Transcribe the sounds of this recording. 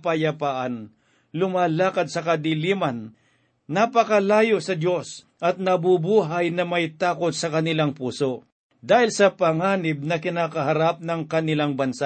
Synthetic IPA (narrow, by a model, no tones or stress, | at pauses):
pɐjɐpaːʔan | lʊmaːlaːkɐd̪̚sɐkɐd̪ɪliːmanː | apɐkɐlaːjosɐd̪jo̞s | ʔɐt̪̚nɐbubuːɦajnɐmɐjt̪aːkot̪̚sɐkɐnɪlaŋpuːso | d̪aːhɪlsɐpɐŋaːnɪb̚nɐkɪnaːkɐɦaɾap̚nɐŋkɐnɪlaŋbɐnsa